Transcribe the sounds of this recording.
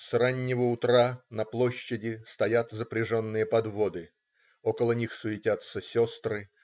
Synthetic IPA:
sranʲːɪvəʊt̪ɾanɐplˠo̞ɕːɪdʲɪst̪ɐjat̪zəpɾʲɪʐo̞nːɨjəpɐd̪vo̞d̪ɨ | o̞kəlˠənʲixsʊɪtʲat̪səsʲo̞st̪rɨ

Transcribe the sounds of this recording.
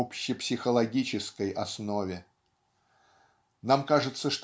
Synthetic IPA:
opɕːɪpsʲɪxəlˠɐɡʲit͡ɕɪskəjʔɐsnovʲɪ | namkaʐɨt̪səʂt̪

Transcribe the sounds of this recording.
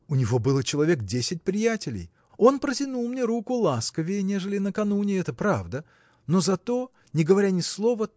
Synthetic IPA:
ʊnʲɪvo̞bɨlˠət͡ɕɪlˠɐvʲe̞kdʲesʲɪt̚ʲpɾʲɪjætʲɪlʲɪ̰j | o̞npɾətʲɪnulˠmnʲeɾukʊlˠaskəvʲɪnʲe̞ʐɨlʲɪnəkɐnunʲɪɛt̪əpɾavd̪ə | no̞zɐt̪o̞ | nʲɪɡəvɐɾʲanʲɪslˠo̞və

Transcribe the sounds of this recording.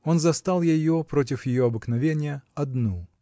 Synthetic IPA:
o̞nzɐst̪alˠjɪjo̞pɾot̬ʲɪfjɪjoɐbɨknɐvʲenʲɪjəɐd̪nu

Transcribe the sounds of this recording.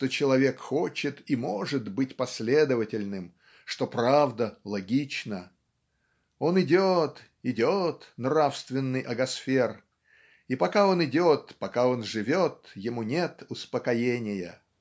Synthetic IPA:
t̪ot͡ɕɪlˠɐvʲe̞kxot͡ɕɪt̪imo̞ʐɨt̪bɨtʲpɐsʲlʲe̞d̪əvətʲɪlʲnɨm | ʂt̪o̞pɾavd̪əlˠɐɡʲit͡ɕnə | o̞nɪdʲot̪ | ɪdʲot̪nrafst̪vʲɪnːɨjʔɐɡɐsfʲe̞r | ipɐkao̞nɪdʲo̞t̪pɐkao̞nʐɨvʲot̪jɪmunʲet̪ʊspəkɐjenʲɪjə̰

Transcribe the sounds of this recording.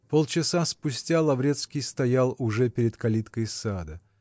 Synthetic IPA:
polˠt͡ɕɪsaspʊsʲtʲalˠɐvɾʲet̪skʲɪjst̪ɐjalˠʊʐɛpʲɪɾʲɪt̪kɐlʲit̪kəjsad̪ə

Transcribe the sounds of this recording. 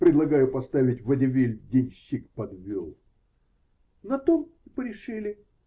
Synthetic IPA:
pɾʲɪd̪lˠɐɡajʊpɐst̪avʲɪtʲvədʲɪvʲilʲdʲenʲɕːikpɐd̪vʲolˠ | nɐt̪omipəɾʲɪʂɨlʲɪ

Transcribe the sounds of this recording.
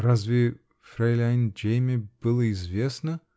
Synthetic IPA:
razʲvʲe | fʲrʲejlʲajnd͡ʒejmʲeb̥ɨlˠəizʲvʲesnə

